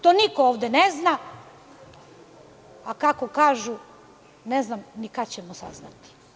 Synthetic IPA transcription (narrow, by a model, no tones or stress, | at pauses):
t̪onikooʋd̪enezna | akakokaːʒu | neznamnikat͡ɕemosa̰znat̪i̥